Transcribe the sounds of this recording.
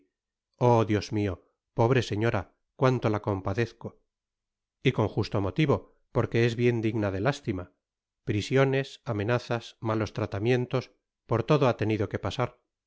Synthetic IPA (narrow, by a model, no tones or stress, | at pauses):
o̞ðjo̞zmio̞ | po̞β̞ɾe̞seɲo̞ɾa | kwant̪o̞lako̞mpaðe̞θko̞ | iko̞ŋxust̪o̞mo̞t̪iβo̞ | po̞ɾke̞ezβje̞nd̪iɣnaðe̞last̪ima | pɾisjo̞ne̞samẽ̞naθasmalo̞st̪ɾat̪amjẽ̞nt̪o̞s | po̞ɾt̪o̞ðoat̪e̞niðo̞ke̞pasaɾ